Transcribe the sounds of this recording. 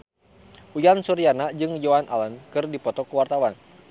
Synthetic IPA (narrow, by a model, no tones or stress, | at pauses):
ujansuɾianad͡ʒɨŋd͡ʒɔanʔa̰lənkɨrdipɔt̪ɔkəwart̪awan